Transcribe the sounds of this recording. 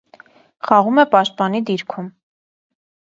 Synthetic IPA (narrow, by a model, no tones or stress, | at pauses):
χɑʁumɛpɑʃt̪̚pɑnid̪iɾkʰum